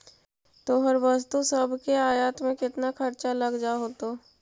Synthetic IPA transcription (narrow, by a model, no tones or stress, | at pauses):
t̪oɦɐɾʋəst̪usɐbʱkeaːjaːt̪mẽkɪt̪nakʰɐɾt͡ʃalɐɡd͡ʒaɦoːt̪o